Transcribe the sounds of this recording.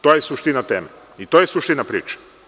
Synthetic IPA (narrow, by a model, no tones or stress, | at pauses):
t̪ojesuʃt̪inat̪eːma | it̪ojesuʃt̪inapɾḭːt͡ʃḁ